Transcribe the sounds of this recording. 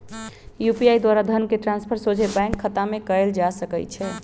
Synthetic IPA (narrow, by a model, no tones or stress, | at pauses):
jupiajd̪waɾad̪ʱənkeʈɾãnspʰəɾsod͡ʒʱebãŋkʰːət̪amekəeld͡ʒasəkɛ̰t͡ʃʰɛ